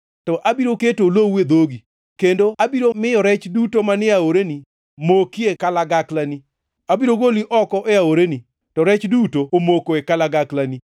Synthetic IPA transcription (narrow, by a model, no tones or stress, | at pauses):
tɔʔabiɾoketolowed̪oɡi | kendoabiɾomɪjɔɾɛt͡ʃdutomanɪaoɾeni | mokiekalaɡaklani | abiɾoɡoliʔɔkɔʔeaoɾeni | tɔɾɛt͡ʃdutoomokoekalaɡaklani